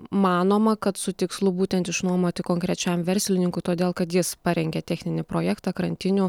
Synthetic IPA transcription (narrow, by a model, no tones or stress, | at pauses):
mɑːnoːmɐkɐt̪sʊt̪ʲɪkslˠʊbuːt̪ʲɛnt̪ɪʃnuɔmoːt̪ʲɪkoːŋkɾʲɛt͡ʃʲɛmʋʲɛɾʲsʲɪlʲɪnʲɪŋkʊɪt̪oːdʲeːlˠkɐt̪jɪspɑɾʲɛŋʲɡʲɛt̪ʲɛxʲnʲɪnʲɪpɾoːjæːkt̪ɑkɾɐnʲt̪ʲɪnʲʊ